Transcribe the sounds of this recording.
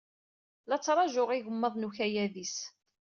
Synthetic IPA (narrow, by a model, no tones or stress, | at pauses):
lɑt͡sːɾˤɑʒʊʁiʝəmːəðˤnuçæjæðis